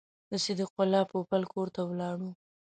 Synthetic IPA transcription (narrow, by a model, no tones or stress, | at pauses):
d̪əsed̪əqʊlɑpopalkʰoɾt̪awlɑɽu